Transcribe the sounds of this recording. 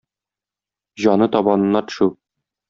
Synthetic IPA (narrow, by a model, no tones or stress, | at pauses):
ʑɒnɤt̪ɒbɑnɤ̆nːɑt̪ɵ̥̆ʃu